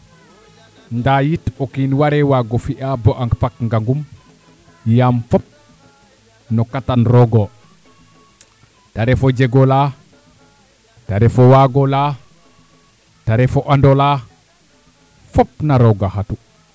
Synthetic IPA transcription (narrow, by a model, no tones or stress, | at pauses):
ndajitɔkinwaɾɛwaɡɔfiʔabɔʔaŋkpakŋɡaŋɡum | jamfɔp̚ | nɔkatanɾɔɡɔ | taɾɛfɔd͡ʒɛɡɔla | taɾɛfɔwaɡɔla | taɾɛfɔʔandɔla | fɔpnaɾɔɡahatu